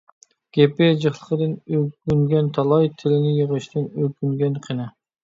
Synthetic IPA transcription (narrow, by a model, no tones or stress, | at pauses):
ɡ̥ʲepɪd͡ʒɨχlˠəqəd̪ɪnøkʲyŋɡʲɛnt̪ʰɑlˠɑjt̪ʰɪlɪnɪjəʁəʃt̪ʰɪnøkʲyŋɡʲɛnqʰenɨ